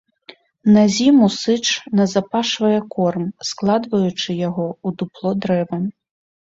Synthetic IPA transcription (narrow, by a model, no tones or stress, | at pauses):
nazʲimusɨt͡ʂnɐzapaʂvɐjɛkɔrmsklˠad̪vɐjut͡ʂɨjaɣɔud̪uplˠɔd̪ɾɛvɐ